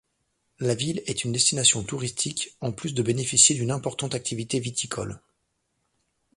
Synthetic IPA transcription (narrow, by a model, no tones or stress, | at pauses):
lavilɛt̪ynd̪ɛst̪inasjɔ̃t̪uʁist̪ʰikɑ̃plysd̪əbenefisjed̪ynɛ̃pɔʁt̪ɑ̃t̪ak̚t̪ʰivit̪evit̪ʰikʰɔ̰l